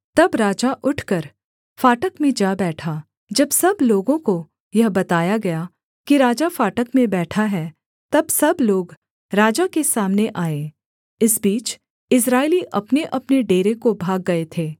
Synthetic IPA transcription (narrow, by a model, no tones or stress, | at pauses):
t̪ɐbɾaːd͡ʒaʔʊʈʰkɐɾ | faːʈəkmẽd͡ʒaːbɛːʈʰaː | d͡ʒɐbsɐbloːɡõko | jɐɦbɐt̪aːjaɡɐja | kiɾaːd͡ʒafaːʈəkmẽbɛːʈʰaɦɛː | t̪ɐbsɐbloːɡ | ɾaːd͡ʒakesaːmneʔaːẽ | ɪsbiːt͡ʃ | ɪs̬ɾaːɪliʔɐpneʔɐpneɖeːɾekobʱaːɡːɐet̪ʰeː